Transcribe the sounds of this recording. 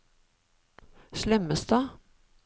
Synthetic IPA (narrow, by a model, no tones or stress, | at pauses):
ʃlɛməsd̪ɑː